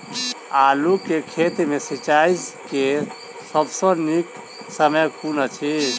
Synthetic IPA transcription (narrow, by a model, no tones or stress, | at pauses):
alukːekʰet̪mesit͡ʃaiske | səbsə̃nik | səməjkunət͡ʃʰi